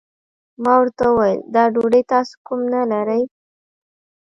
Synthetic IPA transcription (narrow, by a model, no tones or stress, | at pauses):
mɑwəɾt̪auwajəld̪ɑɖoɖəjt̪ɑso̥kumnalaɾəj